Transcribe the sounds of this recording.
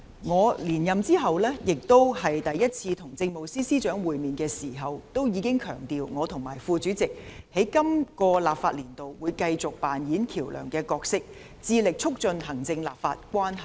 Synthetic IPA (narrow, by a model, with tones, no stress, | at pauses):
ŋɔː˨˧liː˨˩njɐ˨mt͡siː˥ɦɐ˨wlɛː˥jɪ˨k̚t̪o˥whɐ˨jt̪ɐ˨jːɐ˥t̚t͡sʰiː˧t̪ʰʊ˨˩ŋt͡sɪ˧ŋmo˨wsiː˥siː˥t͡ʃœː˨˥ŋwuː˨jmiː˨nkɛː˧siː˨˩ɦɐ˨wt̪o˥wjiː˨˧kɪ˥ŋkʰœː˨˩ŋt̪iː˨wŋɔː˨˧t̪ʰʊ˨˩ŋmaː˨˩jfuː˧t͡ʃyː˨˥t͡sɪ˨k̚he˨˥jkɐ˥mkɔː˧laː˨˩p̚faː˧t̚liː˨˩nt̪o˨wwuː˨˧jkɐ˧jt͡sʊ˨k̚paː˨njiː˨˥nkʰiː˨˩wlœ̰ː˨˩ŋkɛː˧kɔː˧k̚sɪ˥k̚ | t͡siː˧lɪ˨k̚t͡ʃʰʊ˥k̚t͡ʃɵ˧nɦɐ˨˩ŋt͡sɪ˧ŋla̰ː˨p̚fa̰ː˧t̚kʷwaː˥nɦɐ˨˩j